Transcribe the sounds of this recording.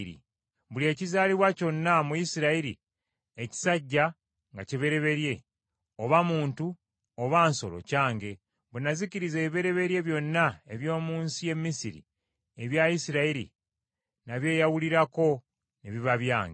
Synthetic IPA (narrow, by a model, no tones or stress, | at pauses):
ɾḭ | βulie̞ːcizaːliβwaco̞nːamujisiɾaiɾḭ | eci̥saɟːa | ŋɡaciβe̞ɾe̞βe̞ɾje̞ | o̞βamuːntu | oβaːnso̞̰lo̞̰caːŋɡe̞ | βunaziciɾizeːβiβe̞ɾe̞βe̞ɾje̞βjo̞nːae̞βjo̞ːmuːnsije̞mːisiɾḭ | e̞βjajisiɾaiɾḭ | naβje̞ːjawuliɾako̞ | neβiβaβjaːŋɡe